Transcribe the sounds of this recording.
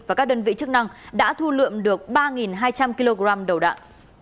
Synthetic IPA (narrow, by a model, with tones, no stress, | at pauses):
vaː˨˩kaː˦˥ɗəː˧nvḭ˧˨t͡ɕɨ˦˥k̚na˧ŋɗa̰ː˧˥t̪ʰu˧lɨ̰˧˨əmɗɨ˨˩ək̚ɓaː˧ŋi˨˩nɦaː˧jt͡ɕa˧mki˧lo˧ɣzaː˧mɗə˨˩wɗa̰ː˧˨nʔ